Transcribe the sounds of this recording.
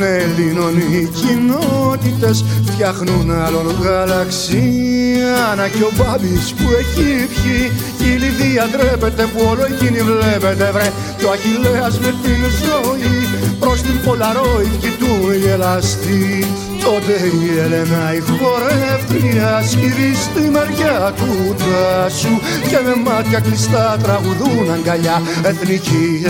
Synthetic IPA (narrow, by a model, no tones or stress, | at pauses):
nelinonicinot̪it̪e̞sft̪çɐxnunɐloloɣɐlɐksiɐnɐceobɐbispue̞cipçi | eliθiɐd̪ɾepe̞t̪e̞puoloecinivle̞pe̞t̪e̞vɾe | t̪oɐçileɐzmet̪inzoipɾost̪impo̞lɐɾoifcit̪unielɐst̪i | t̪ot̪eielenɐifoɾeft̪iiɐsciɾist̪imɐɾʝɐt̪ut̪ɐsu | cememɐt̪çɐklist̪ɐt̪ɾɐɣuðunɐŋɡɐʎɐ | e̞θnici